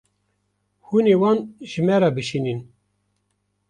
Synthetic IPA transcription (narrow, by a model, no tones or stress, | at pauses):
huneːwɑːnʒɨmɛɾɑːbɨʃinin